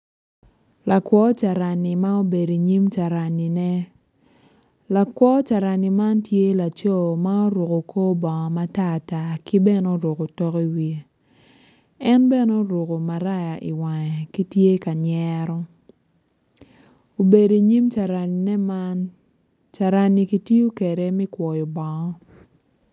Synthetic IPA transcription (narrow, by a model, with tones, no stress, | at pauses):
la˨kwɔ˦t͡ʃa˨ɾa˨ni˨ma˦o˦be˨do˨i˨ɲi˦mt͡ʃa˨ɾa˨ni˨nɛ˦ | la˨kwɔ˦t͡ʃa˨ɾa˨ni˨ma˦ntje˦la˨t͡ʃo˦˨ma˦o˦ɾo˨ko˨kʰo˦bɔ˨ŋ˨ma˦ta˦˨ta˦ki˦bɛ˦no˦ɾo˨ko˨tɔ˦ki˦wi˨ | ɛ˦nbɛ˦no˦ɾo˨ko˨ma˨ɾa˦ja˨ʔi˨wa˨ŋɛ˨ki˦tje˦ka˨ɲɛ˦ɾɔ˦ | o˨be˨do˨i˨ɲi˦mt͡ʃa˨ɾa˨ni˨nɛ˦man | t͡ʃa˨ɾa˨ni˨ki˨ti˦o˦ke˨ɾe˦mi˦kwʷɔ˨jɔ˨bɔ˨ŋɔ˦